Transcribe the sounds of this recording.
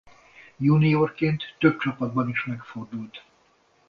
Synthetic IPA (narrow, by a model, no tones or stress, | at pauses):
junioːrkeːnt̪ːø̞p̚t͡ʃɒpɒd̪̚bɒniʃmɛkfo̞rd̪ult̪